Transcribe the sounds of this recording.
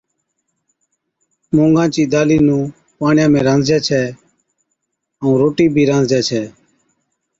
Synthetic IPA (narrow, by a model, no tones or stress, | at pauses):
mõːŋɡãːt͡ʃiːd̪aːliːnũː | paːɳjãːmẽːɾãːnd͡zjaːt͡ʃʰɛː | əũːɾoːʈiːbʱiːɾãːnd͡zjaːt͡ʃʰɛː